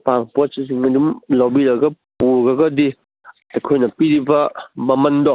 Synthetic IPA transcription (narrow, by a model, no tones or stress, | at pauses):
paŋposisiŋɐdumlawbiɾɐɡɐpuɾɡɐɡɐdi | tɐkʰojnɐpiɾibɐmɐmɐndɔ